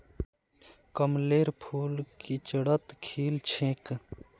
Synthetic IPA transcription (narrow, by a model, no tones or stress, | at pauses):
kəmleːɾpʰuːlkit͡ʃəɽət̪kʰiːlt͡ʃʰẽːk